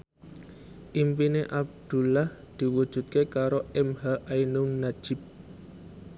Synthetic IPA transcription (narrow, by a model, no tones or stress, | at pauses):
ʔimpineʔab̚d̪̥ṳlah | d̪̥i̤wud̥ʒ̥ṳt̪̚kekaɾoɛmhaʔainuŋnḁd͡ʒ̥ɪp̚